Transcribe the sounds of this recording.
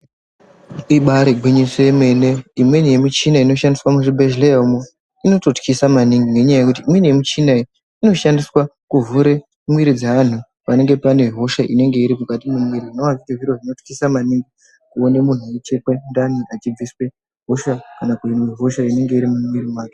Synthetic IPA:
iɓaɾeɡʱwiɲiseeme̞neimwenije̞mut͡ʃinaino̞ʃandiswamuʐibʱeʒleomu | ino̞to̞tkisamaniŋɡiŋɡe̞ɲajajekut̬iːmwenije̞mut͡ʃinai | ino̞ʃandiswakuvuɾe | mwiɾid͡zaan̤u | pane̞ŋɡe̞pane̞ɦo̞ʃaʔine̞ŋɡe̞iɾimukatimumwiɾiʐinowazikeʐiɾo̞ʐino̞tkisamaniŋɡi | kuo̞nemun̤ujet͡ʃekwendaniʔat͡ʃib͡viswe̞ | ɦo̞ʃakanakuineɦo̞ʃaine̞ŋɡe̞iɾimumwiɾimwaːke

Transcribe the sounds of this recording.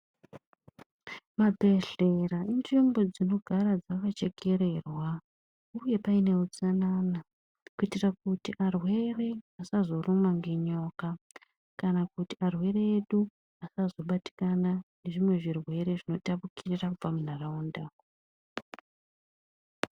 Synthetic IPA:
mabʱe̞ɮe̞rainʐimbod͡zino̞ɡʱaɾad͡zakat͡ʃe̞keɾe̞ːrwa | uje̞paine̞ut͡sanaːna | kuitirakutiʔarwe̞re̞asazo̞rumaŋɡeɲo̞ka | kanakutiarwe̞reːɗu | asazo̞ɓati̥kanane̞ʐimwe̞ʐirwe̞ɾe̞ʐino̞tapukirirakub͡vamun̤arauːndaː

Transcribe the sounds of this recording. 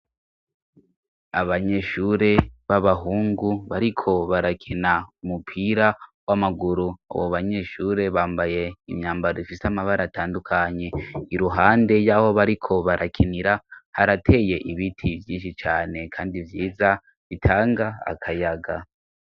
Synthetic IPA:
aβaɲe̞ːʃuɾe̞βaβaɦuːŋɡuβaɾikʰo̞βaɾakʰinaumupʰiːɾawamaɡuɾua̰βo̰βaɲe̞ːʃuɾe̞βaːmbaje̞imɲaːmbaɾoifisamaβaɾataːndukʰaɲe̞iɾuɦaːnde̞jaho̞βaɾikʰo̞βaɾʔakʰiniɾahaɾatʰe̞ːje̞ʔiβitʰivjiːnʃit͡ʃaːne̞kʰaːndivjiːza | βitʰaːŋɡa̰ːkʰajaɡa

